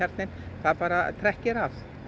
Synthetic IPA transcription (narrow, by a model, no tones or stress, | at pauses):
ɛɾt̪nɪnθaðpaːɾat̪ʰɾɛhcɪɾav